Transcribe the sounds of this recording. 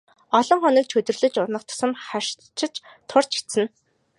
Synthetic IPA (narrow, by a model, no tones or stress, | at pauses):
ɔɮɞ̆ŋχɔniːk̚t͡ɕ̪ʰɵt̪ɵ̆rɮɘ̆t͡ɕʊrnə̆χt̪ʰʊ̥sə̆mχa | t͡ɕʰɪ̆t͡ɕ | t̪ʰːʊr̥t͡ɕʰi̥t̪sɘ̆n